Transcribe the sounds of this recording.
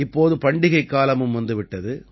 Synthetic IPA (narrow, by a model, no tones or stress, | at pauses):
ɪpːoːðɯpɐɳɖɪɣɐɪkːaːlɐmɯmʋɐnd̪ɯʋɪʈːɐðɯ